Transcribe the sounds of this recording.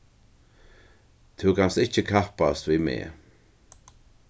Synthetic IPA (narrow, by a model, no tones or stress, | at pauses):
t̪ʰɪwkanst̪ɪht͡ʃəkʰahpast̪vimḛː